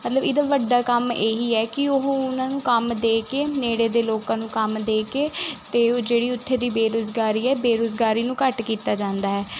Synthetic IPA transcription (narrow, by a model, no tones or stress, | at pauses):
mət̪ləbɪd̪aːʋəɖːaːkəmeːɦiːɛːkɪʊɦõːʊnãːnũːkəmd̪eːkeːneːɽeːd̪eːloːkãːnũːkəmd̪eːkeːt̪eːd͡ʒeːɽiːʊt̪ʰːeːd̪iːbeːɾoːzɡaːɾiːɛːbeːɾoːzɡaːɾiːnũːkəʈkiːt̪aːd͡ʒãːnd̪aːɦɛː